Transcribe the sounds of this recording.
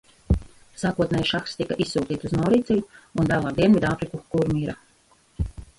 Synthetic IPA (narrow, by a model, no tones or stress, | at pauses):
saːkuɔt̪nɛːjʃakst̪ikaʔisːuːt̪iːt̪uznɔwɾiːt̪sʲɛjuund̪alˠaːd̪iɛnvʲid̪aːpɾikukuɾmiːɾa